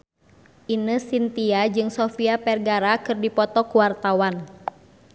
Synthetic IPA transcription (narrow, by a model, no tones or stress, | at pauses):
ʔinəsint̪iad͡ʒɨŋsɔfiapɛrɡaɾakɨrdipɔt̪ɔkuwart̪awan